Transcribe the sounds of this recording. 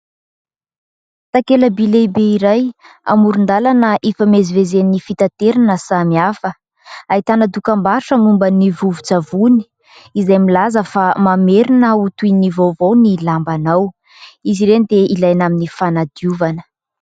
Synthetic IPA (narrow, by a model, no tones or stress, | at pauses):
t̪akeləbilebeiɾaj | a̰muɾund̪alanəʔefamezivezenifit̪at̪eɾanəsamiafə | ait̪anəd̪ukambaɾuʈ͡ʂəmumbənivuvut͡savuni̥ | izajmilazəfamameɾinəut̪uinivovownilambanaw | iziɾend̪eilajnaminifanad̪iuvanə̥